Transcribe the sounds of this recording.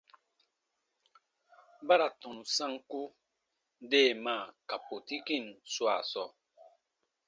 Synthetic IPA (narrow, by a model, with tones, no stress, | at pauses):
ba˦ɾa˨tɔ̃˨nu˨sã˦ŋku˦ | deː˦˨ma˦˨ka˨po˨ti˦ki˦˨nswa̰˦˨sɔ˦